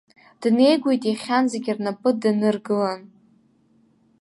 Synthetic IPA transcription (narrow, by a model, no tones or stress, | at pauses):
d̥ne̞jɡʷejtʼiχʲanzeɡʲirnapʼɨdɨnɨrɡɨlan